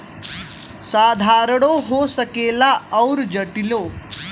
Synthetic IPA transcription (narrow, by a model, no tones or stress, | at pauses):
saːd̪ʱaːɾɽ̃oɦosəkeːlaɐwɾd͡ʒɐʈiloː